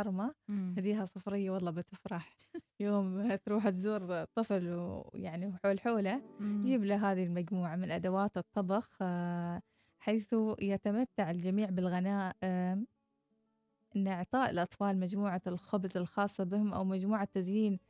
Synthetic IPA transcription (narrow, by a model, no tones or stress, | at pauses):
ɑɾˤmahad̪iːɦasˤʊfɾɪjːawɑlˤːɑːbɪt̪ɪfɾˤɑħ | joːmt̪ɾuːħt̪zuːɾt̪ˤːɨflwjaʕniħoːlħoːlad͡ʒiːblaɦaːðilmad͡ʒmuːʕamɪnʔad̪awaːt̪ɨt̪ˤːɑbɑx | ħaːθujat̪amat̪ːaʕɪld͡ʒamiːʕbɪlɣanaːʔɪm | ʔɪnːʔɪʕt̪ˤɑːʔɪlʔɑt̪ˤfɑːlmad͡ʒmuːʕalxʊbzɪlxɑːsˤːɑbɪhʊmʔa̰wmad͡ʒmuːʕat̪ːazjiːn